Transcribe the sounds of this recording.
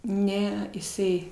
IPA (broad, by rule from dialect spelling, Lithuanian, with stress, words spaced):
ˈnʲɛ ɪsˈɐɪ